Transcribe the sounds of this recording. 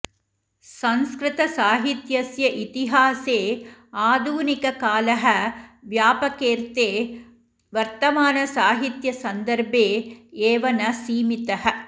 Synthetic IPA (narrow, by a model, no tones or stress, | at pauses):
sɐnskɾɪt̪ɐsaːɦit̪jɐsjɐʔit̪iɦaːseːaːd̪ʱuːnikɐkaːlɐɦɐʋjaːpɐkeːɾt̪eː | ʋɐɾt̪ɐmaːnɐsaːɦit̪jɐsɐnd̪ɐɾbʱeːeːʋɐnɐsiːmit̪ɐɦɐ̆